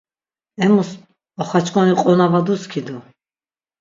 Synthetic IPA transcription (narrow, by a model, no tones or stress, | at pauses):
ɛmus | ɔχat͡ʃʰʼkʰʼɔniqʼɔnavad̪uskʰid̪u